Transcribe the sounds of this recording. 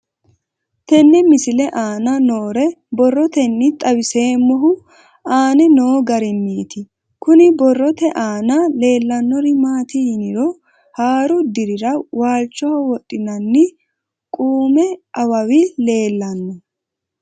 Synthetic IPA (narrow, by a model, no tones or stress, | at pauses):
t̪ɛnːɛmɪsɪlɛʔaːnɐnoːɾɛbɔrːɔt̪ɛnːɪt̪ʼɐwɪse̞ːmːɔɦʊ | aːnɛnoːɡɐɾɪnːiːt̪ɪ | kʊnɪbɔrːɔt̪ɛʔaːnɐle̞ːlːɐnːɔɾɪmaːt̪ɪhɪnɪɾɔ | haːɾʊd̪ɪɾɪɾɐwaːlt͡ʃːɔwɐwɔtʼːɪnɐnːɪ | kʼuːmɛʔɐwɐwɪle̞ːlːɐnːɔ